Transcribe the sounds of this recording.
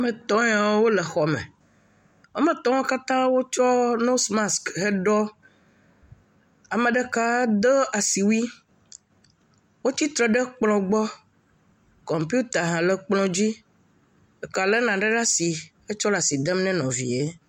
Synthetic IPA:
mẽ˨t̪ɔ̃˦ɛ˦a˨˦wo˦le˨xɔ˨mɛ̰̃˨ | o˦mẽ˨t̪ɔ̃˦wo˦ka˦t̪ã˦wo˦t͡ʃɔ˦no˦sma˦skɦe˦ɖɔ˦ | a˨mẽ˨ɖe˦ka˦d̪e˦a˨si˨wi˦ | wo˦ti˦t̪ɾɛ˨ɖe˦k͡plɔ̃˨ɡ͡bɔ˦ | kɔ˨mpi˦u˦t̪a˨ɦã˨le˨k͡plɔ̃˦d͡ʑi˦ | e˨ka˨le˦nã˨ɖe˦ɖa˦si˨ | e˦t͡ʃɔ˦la˨si˨d̪e˦mnɛ̃˦nɔ̃˨vḭ˨e˦

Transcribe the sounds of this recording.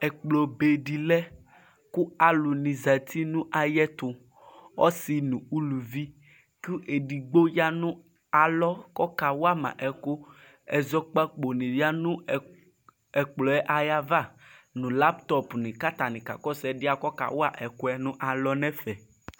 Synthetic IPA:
ɛ˨k͡plɔ˨be˨ɖi˨lɛ˦ | ku˦a˨lu˨nĩ˨za˨t̪ʰi˦nũ˦ʔa˨jɛ˦t̪ʊ˨ | wɔ˦si˨nũ˨u˦lu˨vi˦ | ku˦ʔe˨ɖi˨ɡ͡bo˦ja˦nũ˦ | a˨lɔ˦kɔ˦ka˨wo˦a˦mã̰˨ʔɛ˨ko˦ | ɛ˨zɔ˦k͡pa˦k͡po˨nĩ˨ja˦nũ˦˨ | ɛ˨k͡plɔ˨ɛ˦ʔa˨ja˦va˦nũ˨la˦pt̪ɔ˦pnĩ˨ka˦t̪a˨nĩ˨ka̰˨kɔ˦sɛ˨dɪ˦a˨kɔ˦ka̰˨wo˦a˦ʔɛ˨ko˦ɛ˦nũ˦ʔa˨lɔ˦nɛ̃˦fɛ˨

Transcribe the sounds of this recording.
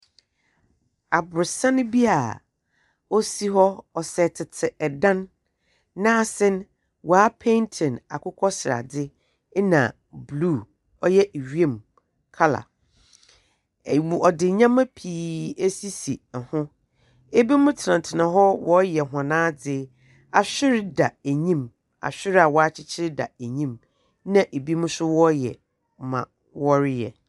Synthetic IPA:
a˨bʊ˨ɾsã˦nʊ̃˦bi˦a˨ | ɔ˦si˦ɦɔ˦ɔ˨sɛ˨tʰɪ˨tʰɪ˨ʔɛ˨dã˦nː | ã˦a˨sɛ̃˦n | wʔɔ˨a˦pʰẽ˦ntʰɛ̃˨na˨kʊ˦kʰɔ˦sɪ˨ɾa̰˨dɪ˦ | nã̰˨ | blu˦˨ | ɔ˦jɛ˦ʔe˨ɥi˦ẽ˨m | kʰa˦la̰˨ | wu˨ɔ˨dɪ˨ɲã˦mã˦pʰiː˨æ˦si˦si˨hʊ̃˦ | e˦bi˦mʊ̃˦tʰɪ˨nã˨n˨tʰɪ˨nã˨ɦɔ˦wɔ˦jɛ˨ɦã˨nãː˦d͡zɪ˦ | a˨ɕᶣɪ˦ɾɪ˦da˨æ˨ɲĩ˦m | a̰˨ɕᶣɪ˦ɾa˨wɔ˦a˦t͡ɕʰɪ˦t͡ɕʰɪ˦ɾɪ˦da̰˨æ˨ɲĩ˦m | nã˨ʔe˨bi˦mʊ̃˦sʊ˦wɔ˦jɛ̰˨ | mã̰˨ | wɔ˦ɾɪ˦jɛ̰˨

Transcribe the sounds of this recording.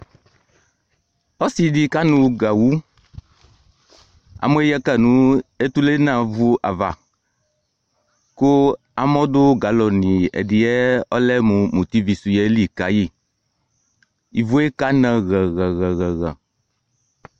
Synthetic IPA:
ɔ˦si˨di˨ka˦nũ˨ɡa˨wu˦ | a̰˨mo˦e˦jɛ˦ka˦nũ˦e˦t̪u˦le˦nã˨vu˦ʔa˨va̰˨ | ko˦ | a˨mɔ̃˦d̪o˦ɡa˨lɔ˨nĩ˨ḛ˨di˨ɛ˦ɔ˦lɛ˦mũ˨mũ˨t̪i˦vi˨su˨jɛ˦li˨ka˨ji˦˨ | i˨vo˦e˦ka˦nɛ̃˨ɣɛ˨ɣɛ˨ɣɛ˨ɣɛ˨ɣɛ̰˨

